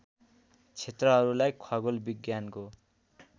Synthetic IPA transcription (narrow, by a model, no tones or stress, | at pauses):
t͡sʰet̪rʌɦʌɾulajkʰʌɡolbiɡjanko